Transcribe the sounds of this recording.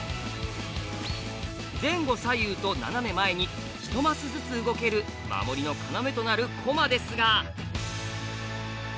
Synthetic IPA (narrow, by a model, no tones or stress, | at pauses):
d͡zẽ̞ŋɡo̞sajɯ̟ːt̪o̞na̰name̞mae̞ɲ̟i | çi̥t̪o̞masɨzɨt͡sɨɯɡo̞ke̞ɾɯ̟ | ma̰mo̞ɾʲino̞kaname̞t̪o̞naɾɯ̟kʰo̞mad̪e̞sɨɡa